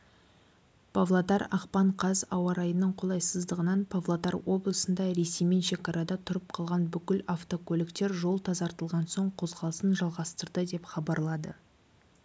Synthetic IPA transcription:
pʰavlˠat̪ɑɾɑ̰qpɑɴqʰɑzɑ̰wɑɾɑjənəɴqʰolˠɑjsəzd̪əʁənɑnpʰavlˠat̪ɑɾwo̞blˠəsənd̪ɑɾe̞sejme̞nʃe̞kɑɾɑd̪ɑt̪ʰʊɾəp̚qʰɑlˠʁɑnbʏkʲɪlaft̪o̞kʰolʲekt̪e̞ɾʒo̞lˠt̪ʰɑzɑɾt̪əlˠʁɑnso̞ɴqʰo̞zʁɑlˠəsənʒɑlˠʁɑst̪əɾd̪əd̪e̞pχɑbɑɾlˠɑd̪ə̰

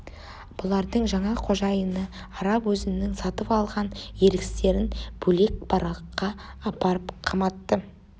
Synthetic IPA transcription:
b̥ʊlˠɑɾd̪əɴʒɑɴɑqʰo̞ʒɑjənə | ɑɾɑpwɵzɪnːɪŋsɑt̪əpɑlˠʁɑnje̞ɾkʲɪ̥st̪e̞ɾɪnb̥ɵle̞k̚bɑɾɑqːɑː | pɑɾəpqʰɑmɑt̪ːə

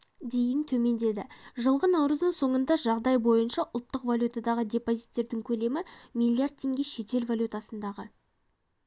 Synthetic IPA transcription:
d̪e̞jɪnt̪ʰɵme̞nd̪e̞d̪ɪʒəlˠʁənɑwɾəzd̪əɴso̞ɴənd̪ɑʒɑʁd̪ɑjbo̞jənʃɑʔʊlˠt̪ːəqvalʲjut̪ad̪ɑʁəd̪ʲe̞pozit̪ːe̞ɾd̪ɪŋkʲʰɵle̞mɪmilʲˠːijard̪̚t̪ʰʲːe̞ŋɡʲe̞ʃe̞t̪e̞lvalʲjut̪ɑsənd̪ɑʁə

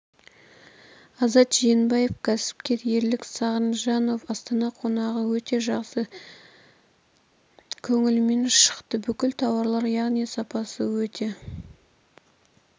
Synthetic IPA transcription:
ɑzɑt̪ʒ̥ejənbɑjefkʲʰæsɪ̥p̚kʲe̞ɾje̞ɾlɪksɑʁənʒɑno̞fɑst̪ɑnɑqʰo̞nɑʁəwɵt̪e̞ʒɑqsə | kʲʰɵŋɪlɪme̞nʃə̥qt̪əbʏkʲɪlt̪ʰɑwɑɾlˠɑɾjɑʁnijsɑpɑsəwɵt̪ʰe̞

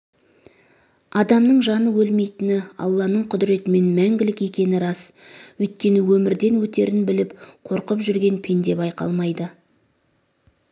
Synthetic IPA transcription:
ɑd̪ɑmnəɴʒɑnəwɵlme̞jt̪ɪnɪɑ̰lˠːɑnəɴqʰʊd̪ɪɾe̞t̪ɪme̞nmæŋɡʲɪlɪke̞kʲe̞nɪɾɑswɵjt̪̚kʲe̞nɪwɵmɪɾd̪e̞nwɵt̪e̞ɾɪnbɪlɪpqʰo̞ɾqəpʒʏɾɡʲe̞npʰend̪e̞bɑjqɑ̰lˠmɑjd̪ə

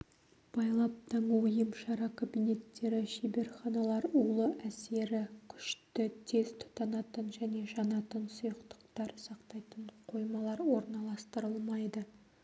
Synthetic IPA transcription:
b̥ɑjlˠɑp̚t̪ʰɑɴuwjəmʃɑɾɑkʰabijne̞t̪ːe̞ɾɪʃijbe̞ɾχɑnɑlˠɑɾulˠəʔæse̞ɾɪkʲʰʏ̥ʃt̪ɪt̪ʰe̞zt̪ʰʊ̥t̪ɑnɑt̪ənʒæne̞ʒɑnɑt̪ənsʊjəqt̪ə̥q̚t̪ɑɾsɑqt̪ɑjt̪əɴqʰo̞jmɑlˠɑɾwo̞ɾnɑlˠɑst̪əɾəlˠmɑjd̪ə

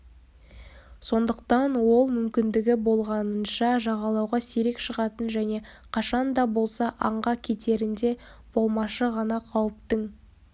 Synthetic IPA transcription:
so̞nd̪əq̚t̪ɑnwo̞lˠmʏmkʲɪnd̪ɪɡʲɪbo̞lˠʁɑnənʃɑʒɑʁɑlˠɑwʁɑseɾe̞kʃəʁɑt̪ənʒæne̞ | qʰɑʃɑnd̪ɑbo̞lˠsɑʔɑɴʁɑkʲʰe̞t̪e̞ɾɪnd̪e̞b̥o̞lˠmɑʃəʁɑnɑqʰɑwəp̚t̪əŋ

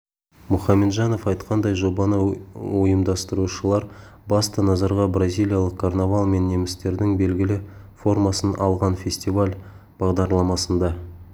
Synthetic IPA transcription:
mʊχɑme̞d̪ʒɑno̞fɑjt̪qʰɑnd̪ɑjʒo̞bɑnəwojəmd̪ɑst̪əɾuʃəlˠɑɾbɑst̪ənɑzɑɾʁɑbrazʲijlʲˠijalˠəq̚kʰarnavɑlˠme̞nːe̞mɪst̪e̞ɾd̪ɪŋbe̞lɡʲɪlɪ | fo̞rmɑsənʔɑlˠʁɑnfʲe̞sʲt̪ʲivalʲ | bɑʁd̪ɑɾlˠɑmɑsənd̪ɑ

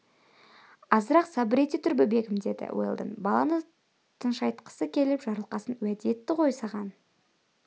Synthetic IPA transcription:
ɑzəɾɑqsɑbɪɾe̞t̪et̪ʰʏɾbɪbe̞kʲɪmd̪e̞d̪ɪ̰wḛlˠd̪ə̰nbɑlˠɑ̰nə | t̪ʰənʃɑjt̪qə̥səkʲʰe̞lɪɪpʒɑɾlˠqɑsənwæd̪ije̞t̪ːɪqʰo̞jsɑʁɑn

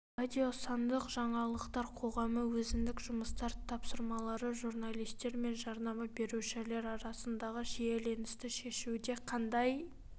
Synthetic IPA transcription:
rad̪eo̞sɑnd̪əqʒ̥ɑɴɑlˠəqt̪ɑɾqʰo̞ʁɑməwɵzɪnd̪ɪkʒʊməst̪ɑɾt̪ʰɑpsəɾmɑlˠɑɾəʒuɾnalˠijst̪e̞ɾme̞nʒɑɾnɑmɑbe̞ɾuʃɪɾle̞ɾɑɾɑsənd̪ɑʁəʒijele̞nɪst̪ɪʃe̞ʃud̪e̞qʰɑnd̪ɑj

